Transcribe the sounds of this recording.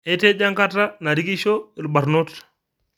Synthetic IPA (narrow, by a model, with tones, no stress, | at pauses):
e˦te˦d͡ʒa˦ŋka˦ta˦na˨ɾi˦ɡi˦ʃo˦i˨ɾba˨ɾno˦t